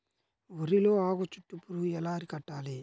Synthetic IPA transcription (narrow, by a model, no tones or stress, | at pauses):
ɔɾiloːaːɣot͡ʃuʈːupːuɾuɛlaːɾikɐʈːaːle